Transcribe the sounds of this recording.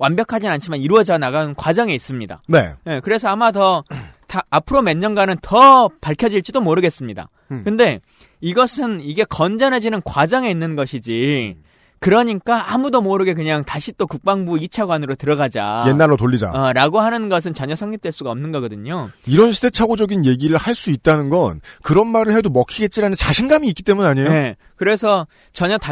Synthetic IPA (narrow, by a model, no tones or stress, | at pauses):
wanbjʌkʰad͡ʑinant͡ɕʰimaniɾuʌd͡ʑʌnaɡankwad͡ʑʌŋe̞is͈ɯmɲida̰ne̞̰je̞kɯɾe̞sʰʌamatʌtaːpʰɯɾome̞nːʌnɡwanɯntʌpaɭkʰjʌd͡ʑiɭt͡ɕ͈idomoɾɯɡe̞s͈ɯmɲida̰ | kɯnde̞ | iɡʌsʰɯniɡe̞kʌnd͡ʑʌnɦed͡ʑinɯnkwad͡ʑʌŋe̞inːɯnɡʌɕʰid͡ʑi | kɯɾʌɲik͈aamudomoɾɯɡe̞k̬ɯɲaŋtaɕʰit͈okuk̚p͈aŋbuit͡ɕʰaɡwanɯɾotɯɾʌɡad͡ʑa̰je̞nːaɭːotoʎːid͡ʑa̰ɾaɡohanɯnɡʌs̬ʰɯnt͡ɕʌɲʌsʰaŋɲik̚t͈we̞ɭs͈uɡaʌmnɯnɡʌɡʌdɯɲoiɾʌnɕʰide̞t͡ɕʰaɡod͡ʑʌɡinje̞ɡiɾɯɭhaɭs͈uit̚t͈anɯnɡʌnkɯɾʌnmaɾɯɭhe̞domʌkʰiɡe̞t̚t͡ɕ͈iɾanɯnt͡ɕaɕʰinɡamiːk͈i̥t͈e̞munaɲejoe | kɯɾe̞sʰʌ | t͡ɕʌɲʌta